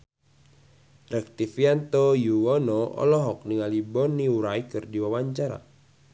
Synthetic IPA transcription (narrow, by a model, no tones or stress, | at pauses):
rɛk̚t̪ifiant̪ojuwɔnɔɔ̰lɔɦɔk̚niŋalibɔniuɾajkɨrdiwawaɲt͡ʃaɾa̰